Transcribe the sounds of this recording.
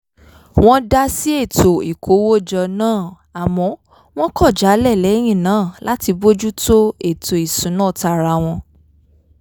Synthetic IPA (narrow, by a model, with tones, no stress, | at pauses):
w̃ɔ̃˦da˦si˦e˦˨to˨i˨kʰo˨˦wo˦d͡ʒɔ˧nãː˦˨ | a˨mɔ̃˨˧˦ | w̃ɔ̃˦kɔ˦˨d͡ʒa˨˦lɛ˦˨lɛ˨˦j̃ĩ˦˨nãː˨˦˨la˦ti˧bo˦d͡ʒu˦to˦e˦˨to˨i˨sũ˨˦nãː˦˨ta˧˨ɾa˧w̃ɔ̃˧